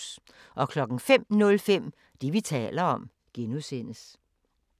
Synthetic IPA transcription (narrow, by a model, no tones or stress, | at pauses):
s | ʔɒ̽kʰlɒ̽ɡ̥n̩fem̰nɔ̽lfem̰ | d̥iʋit͡sʰɛ̰ːlɐɒ̽m | ɡ̥enuse̝n̰əs